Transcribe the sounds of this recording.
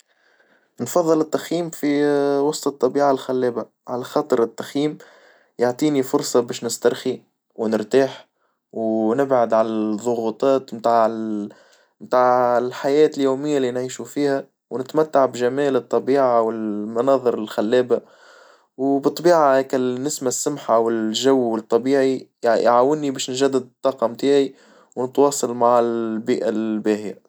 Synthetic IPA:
nfɑðˤːɨlɪt̪ːaxjiːmfiwɑsˤt̪ˤɨt̪ˤːɑbiːʕalxælːɛːba | ʕalæxɑːt̪ˤɨɾɪt̪ːaxjiːm | jaʕt̪ˤiːnifʊɾsˤɑbɛːʃnɪst̪ɑɾˤxi | wnɪɾt̪aːħ | wnɪbʕad̪ʕalæðˤʊɣut̪ˤɑːt̪mt̪aːʕ | mt̪aːʕɪlħajɛːt̪ɪljuːmɪjːalinʕiːʃufiːhæ | wnɪt̪mæt̪ːaʕbʒæmɛːlɨt̪ˤːɑbiːʕawɪlmɑnɑːðˤɨɾɪlxalːɛːba | wbɨt̪ˤːbiːʕahɛːkanɪsmasːʊmħawɪlʒawːɪt̪ˤːɑbiːʕijʕawɪnːibɛːʃnʒæd̪ːad̪̚t̪ˤːɑːqɑmt̪aːʕi | wnɪt̪wɑːsˤɑlmaʕɪlbiːʔalbæːhɪja̰

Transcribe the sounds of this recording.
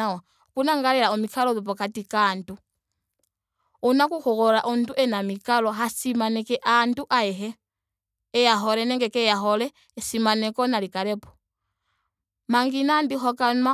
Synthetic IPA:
awa | kunaŋɡaɾɛɾaɔmikʰalɔðɔp̬ɔkatikandu | unakukɔɣɔɾaʔɔnduʔɛnamikalɔɦasimanɛkɛʔanduʔaɛɦɛː | jaɦɔɾɛnɛŋɡɛkɛjaɦɔlɛː | simanɛkɔnalikaɾɛpɔ̥ | maŋɡinandixɔkana

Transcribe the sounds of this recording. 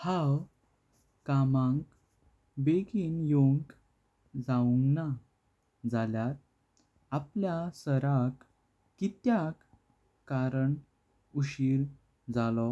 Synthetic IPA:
haw | kamãŋk | beɡinjoŋk | d͡zauŋɡna | d͡zaljat̪ | apljasəɾakː | it̪jakː | aɾəɳ | uɕiːɾ | d͡zalɔ

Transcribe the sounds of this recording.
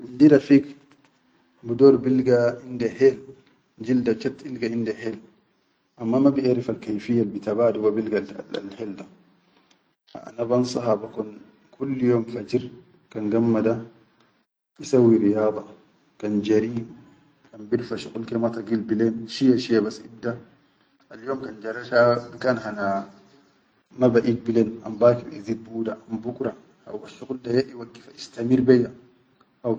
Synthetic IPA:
indidafik | budɔːɾbilɡaindɛhɛl | d͡ʒildat͡ʃat̪ilɡaindɛhɛːl | ʔamːamabiʔaɾifalkajfijːalbit̪abaduwabilɡaa̰lhɛlda | a̰ʔa̰nabansˤɑɦabakɔn | kʰulːjɔːmfad͡ʒiɾ | kanɡamːada | isawiɾijɑːd̪ˤɑ | kand͡ʒaɾi | kanbiɾfaʃuqulkimat̪aɡilbilenʃijaʃijabasib̚da | ʔaljoːmkand͡ʒaɾaʃabikanɦana | mabaʔik̚bilena̰mbakibḭzit̪̚buːdaʔambukɾa | ha̰waʃuquldajaʔiwaɡːi̥faist̪amiɾbeja | ʔaw

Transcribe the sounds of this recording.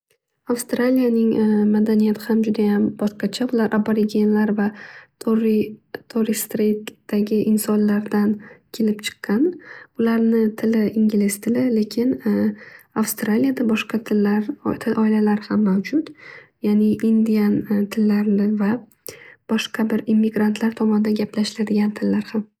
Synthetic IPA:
afst̪ɾalijanɪŋmad̪anijat̪ʰɪhamd͡ʒʊd̪ajambɒʃqɑt͡ʃʰabʊlaɾʔaboɾɪɡʲenlaɾvaɾt̪ʰoɾɪst̪ɾejt̪d̪̥aɡʲɪʔɪnsɒnlaɾd̪ankʲʰe̞lɪpt͡ʃʰɨ̥qʰːɑnʊlaɾnɪt̪ʰɪlɪiŋɡʲɪlɪst̪ʰɪlɪle̞kʲʰɪn | afst̪ɾalijad̪abɒʃqɑt̪ʰɪlːaɾt̪ʰɪʔɒɪlalaɾhamːawd͡ʒʊt̪janɪːnd̪ijant̪ʰɪlːaɾnɪva | b̥ɒʃqʰɑbɪɾimːiɡɾant̪ʰlaɾt̪ʰɒmɒnɪd̪anɡʲapʰlaʃlad̪ɪɡʲant̪ʰɪlːaɾham

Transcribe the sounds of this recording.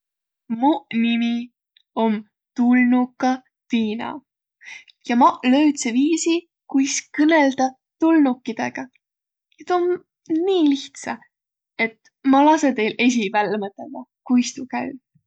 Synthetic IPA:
munimi | om | t̪ulnukːˑɑ | viːnɑ̰ | jɑmɑlø̞yt̪seviːsi | kujskɤneld̪ɑ | t̪ulnukːˑid̪̥e̞̰ɡ̥ɑ | et̪om | niːliht̪sɑ | e̞t̪ | mɑlɑset̪e̞jle̞s̬ʲivælːmɤt̪ˑːeld̪ɑkujst̪ukæy

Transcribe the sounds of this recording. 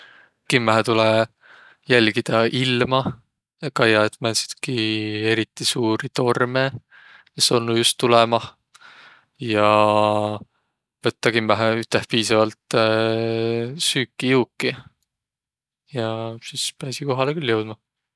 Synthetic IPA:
kimːæɦet̪ule | jælʲɡid̪̥ɑʔilmɑ | kɑjɑet̪mænsi̥d̪̥kie̞ɾit̪ˑːisuːɾit̪o̞rme | esːo̞lnːujust̪ːulɛmɑ | jɑ | vɤt̪ːɑkimːæɦeyt̪ːˑehpiːsɑvɑlt̪ | syːkːˑijuːkːi | jɑsispæːsiko̞ɦɑlekylːjɤwd̪̥mɑ

